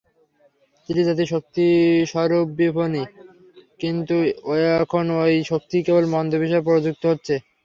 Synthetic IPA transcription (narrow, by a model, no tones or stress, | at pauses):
t̪iʈid͡ʑat̪̬iʃok̚t̪iʃɔɾobːibʱoni | kint̪uɛkʰonojʃok̚t̪ikebolmɔnd̪ʱobiʃ̬aepɔɾod͡ʑuk̚t̪oɦotːɕʰe